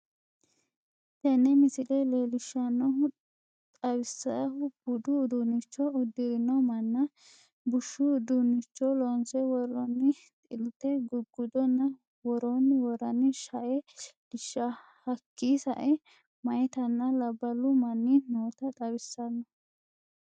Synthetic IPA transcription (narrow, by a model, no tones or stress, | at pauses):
tɛnːɛmɪsɪlɛleːlɪʃːɐnːɔ | t̪ʼɐwɪsːɐɐʊb̥ʊd̪ʊd̪unɪt͡ʃːɔʊd̪ːɪɾɪnɔmɐnːɐ | bʊʃːʊd̪unɪt͡ʃːɔlɔnsɛwɔɾɔnːɪ | t̪ʼɪlt̪ːɛɡʊɡːʊd̪ɔnːɐ | wɔɾɔnːwɔɾɐnːɪʃɐʔɛd̪̥ɪʃːɐ | hɐkːisɐʔɛ | mɐjt̪ɐnːɐlɐbːɐlʊmɐnːinoːt̪ɐt̪ʼɐβɪsːɐnːɔ